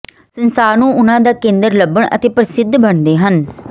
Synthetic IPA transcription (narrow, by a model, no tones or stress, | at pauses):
sənsaːɾnũːʊnãːd̪aːkẽːnd̪əɾləbəɳʔə̰t̪eːpəɾsɪd̪ʱbəɳd̪eːɦən